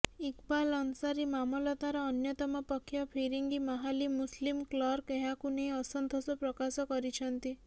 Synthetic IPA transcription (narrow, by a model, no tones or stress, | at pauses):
ikbalɔnsaɾimamɔlɔt̪aɾɔːnjɔt̪ɔmɔpɔkʰːjɔpʰiɾiŋɡimɔɦalimuslimklɔɾkeɦakuneɔsɔnd̪ʱɔsɔpɾɔkasɔkɔɾit͡ʃʰənt̪i